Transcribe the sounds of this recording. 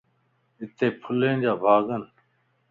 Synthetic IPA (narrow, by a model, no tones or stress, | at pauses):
ɪt̪eːpʰʊlẽːnd͡ʑaːbʱaːɡən